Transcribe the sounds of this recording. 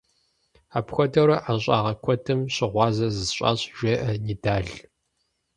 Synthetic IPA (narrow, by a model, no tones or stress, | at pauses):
aːpxʷɔdɐɾɐʔaɕʼɑːʁɐkʷʰɔtʰɨmɕɪʁʷɑːzɐzɨzɕʼɑ̰ːɕʒ̥ʷeːʔɐnidaːɮ